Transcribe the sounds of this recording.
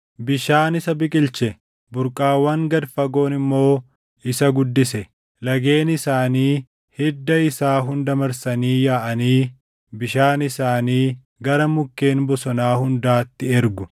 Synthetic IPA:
bɪʃaːnɪsɐbɪkʼɪlt͡ʃɛ | bʊɾkʼaːwːɐŋɡɐd̪fɐɡo̞ːnɪmːo̞ː | ɪsɐɡʊd̪ːɪsɛ | lɐɡe̞ːnɪsaːniː | hɛd̪ːɐɪsaːɦʊnd̪ɐmɐɾsɐniːjaːʔɐniː | bɪʃaːnɪsaːniː | ɡɐɾɐmʊkːe̞ːnbɔsɔnaːhʊnd̪aːt̪ːɪɛɾɡʊ

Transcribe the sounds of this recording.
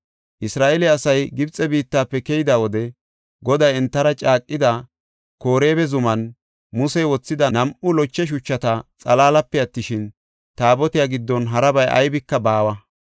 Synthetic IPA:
ʔɪsɾaːʔɛlɪɐsɐjɡɪbt͡sʼːɛbiːt̪ːaːpːɛkɛjɪd̪awɔd̪ɛ | ɡɔd̪ɐjɛnt̪ːɐɾɐt͡ʃʼaːkʼːɪd̪ɐ | ko̞ːɾe̞ːbɛzʊmɐn | mʊsɛjwɔt͡sːɪd̪ɐnɐmʔʊlɔt͡ʃːɛʃ̬ʊt͡ʃːɐt̪ɐt͡sʼɐlaːlɐpːɛɐt̪ːɪʃɪn | t̪aːbɔt̪ɪjaːɡɪd̪ːɔnɦɐɾɐbɐjʔɐ̰jbɪkːɐbaːwɐ

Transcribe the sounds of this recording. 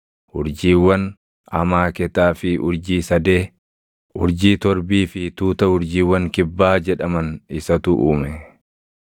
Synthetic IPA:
hʊɾd͡ʒiːwːɐn | ʔɐmaːkɛt̪aːfɪʔʊɾd͡ʒiːsɐd̪eː | ʊɾd͡ʒiːt̪ɔɾbiːfɪt̪uːt̪ɐhʊɾd͡ʒiːwːɐŋkɪbːaːd͡ʒɛᶑɐmɐnɪsɐt̪ʊʔuːmɛ

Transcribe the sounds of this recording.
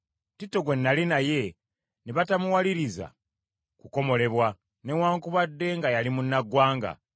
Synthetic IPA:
titːo̞ɡwe̞nːalinaje̞ | neβatamuwaliɾiza̰ | kuko̞mo̞le̞βwa | ne̞waːŋkuβadːe̞ŋɡajalimunːaɡwaːŋɡa̰

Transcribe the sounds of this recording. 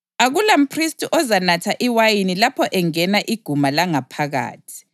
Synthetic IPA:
aɣulam̩pʰristʰʼiʔɔzanatʰaʔiwajinilapʰɔʔɛŋɛnaʔiɡ̥ʱumalaŋapʰaɣa̰ːtʰi̥

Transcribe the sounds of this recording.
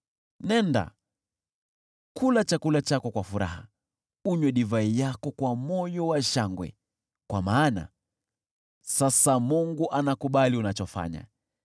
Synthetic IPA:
nɛnda̰ | kʰulat͡ʃakulat͡ʃakɔkwafuɾa̰ha̰ | uɲwɛɗivaijakɔkwamɔjɔwaʃaŋɡwɛ̰ | kwamaːna̰ | sasamuŋɡuʔanakuɓaliunat͡ʃɔfa̰ɲa̰

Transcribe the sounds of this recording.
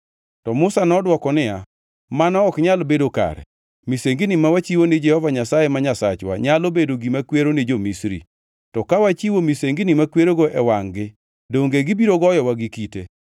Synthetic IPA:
tɔmʊsanɔdwɔkɔnɪja | manɔːkɲalbedoka̰ɾɛ̰ | miseŋɡinimawat͡ʃiwonɪd͡ʒɛhɔvaɲasajemaɲasa̰t͡ʃwa̰ɲalobedoɡimakweɾoned͡ʒomisɾḭ | tɔkawat͡ʃiwomiseŋɡinimakweɾoɡoʔɛwaŋɡɪ | doŋɡeɡibiɾoɡɔjɔwaɡɪkite

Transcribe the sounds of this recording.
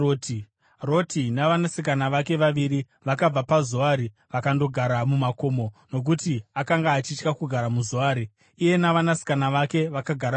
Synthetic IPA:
oti | ro̞tinaʋanasikanaʋake̞ʋaʋiɾi | ʋakab͡vapazuaɾi | ʋakando̞ɡʱaɾamumako̞ːmo̞no̞k̬utiakaŋɡaːt͡ʃit͡ʃkakuɡʱaɾamuzoaːɾi | ije̞naʋanasi̥kanaʋake̞ʋakaɡʱaɾ

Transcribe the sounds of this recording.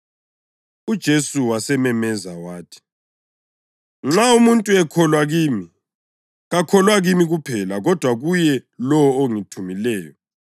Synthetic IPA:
ud̥ʒ̥ʱesuwasɛmɛmɛzawaːtʰi̥ | ŋ͡ǁaumuntʼuɛkʰɔlwaɣiːmi | ɣakʰɔlwaɣimiɣupʰɛlaɣɔd̥ʱwaɣujɛlɔwoŋitʰumilɛːjɔ

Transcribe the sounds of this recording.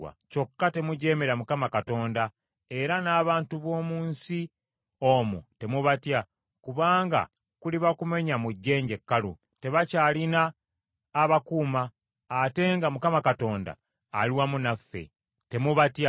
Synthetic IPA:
wa̰co̞kːate̞muɟe̞ːme̞ɾamukamakato̞ːnda | e̞ɾanaːβaːntuβo̞ːmuːnsi | o̞mṵte̞muβatja | kuβaːŋɡa̰ | kuliβakume̞ɲamuɟːe̞ːɲɟe̞kːalṵ | te̞βacaːlinaː | βakuːmaː | te̞ŋɡamukamakato̞ːnda̰ː | liwamunafːe̞̰ | te̞muβatja

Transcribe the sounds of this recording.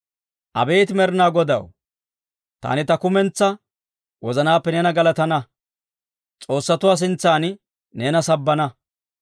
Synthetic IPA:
ʔɐ̰be̞ːt̪ɪmɛɾnaːɡɔd̪ɐ̰w | t̪a̰ːnɪt̪ɐkʊmɛnt͡sːɐ | wɔzɐnaːpːɛnɛːnɐɡɐlɐt̪ɐnɐ | t͡sʼo̞ːsːɐt̪ʊwaːs̬ɪnt͡sːaːn | neːnɐsɐbːɐnɐ

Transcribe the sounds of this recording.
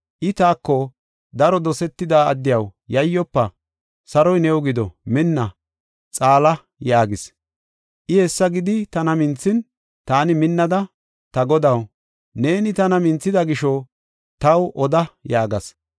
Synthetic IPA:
ʔɪt̪aːkːɔ | d̪ɐɾɔd̪ɔsɛt̪ːɪd̪aːɐd̪ːɪjɐwjɐjːɔpːɐ | sɐɾɔjnɛwɡɪd̪ɔmɪnːɐ | t͡sʼaːlɐ | jaːɡɪs | ʔɪhɛsːɐɡɪd̪ɪt̪ɐnɐmɪnt͡sːɪn | t̪aːnɪmɪnːɐd̪ɐ | t̪ɐɡɔd̪ɐw | ne̞ːnɪt̪ɐnɐmɪnt͡sːɪd̪ɐɡɪʃɔ | t̪ɐwʔɔd̪ɐjaːɡɐs

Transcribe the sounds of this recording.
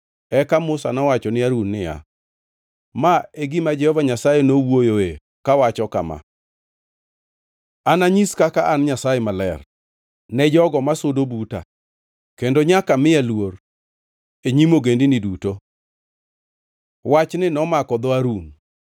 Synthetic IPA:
ɛkamʊsa̰nɔwat͡ʃɔnɪaɾunːɪja̰ | maeɡɪmad͡ʒɛhɔvaɲasajɛnowojoe | kawat͡ʃɔkama̰ | anaɲiskakaʔanɲasajɛmalɛ̰r | nɛd͡ʒɔɡɔmasodobuta̰ | kendoɲakamɪjalwor | eɲimoɡendɪnɪduto | wat͡ʃnɪnɔmakɔd̪ɔaɾun

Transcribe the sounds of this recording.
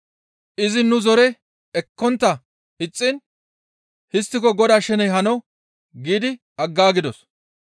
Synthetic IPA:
ʔɪzɪnʊzɔɾɛ | ɛkːɔnt̪ːɐ | ɪt͡sʼːɪn | hɪs̬t̪ːɪkɔɡɔd̪aːʃɛnɛjɦɐnɔw | ɡiːd̪ɪ | ɐɡːaːɡɪd̪ɔs

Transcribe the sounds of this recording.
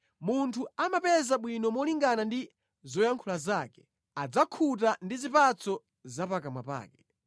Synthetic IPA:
muntʰuamapɛzaɓwinɔmɔliŋɡanandi | zɔjaŋkʰulazaːkɛ̥ | ad͡zakʰutandizipat͡sɔ | zapakamwa̰pa̰ːkɛ

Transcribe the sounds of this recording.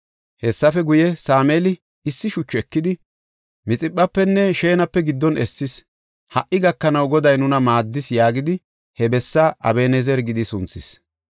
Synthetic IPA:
hɛsːɐfɛɡʊjɛsaːmelɪ | ɪsːɪʃʊt͡ʃːɛkːɪd̪ɪ | mɪt͡sʼɪpʼːɐpːɛnːɛʃeːnɐpːɛɡɪd̪ːɔnɛsːɪs | hɐʔːɪɡɐkːɐnɐwɡɔd̪ɐjnʊnɐmaːd̪ːɪsjaːɡɪd̪ɪ | hɛbɛsːaʔɐ̰beːnɛzɛɾɡɪd̪ɪsʊnt͡sːɪs

